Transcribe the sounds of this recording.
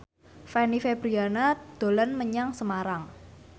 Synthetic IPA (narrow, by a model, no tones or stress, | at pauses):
fɛnifeb̥ɾianad̪̥o̤lənməɲaŋsəmaɾaŋ